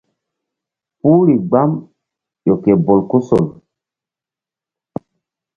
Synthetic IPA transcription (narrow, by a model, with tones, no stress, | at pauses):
pu˦ɾi˨ɡ͡ba˦m | jo˨ke˨bo˨lku˦so˨l